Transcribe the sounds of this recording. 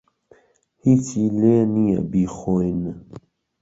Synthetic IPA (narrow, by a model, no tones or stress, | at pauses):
hit͡sileːnija̰bixoinə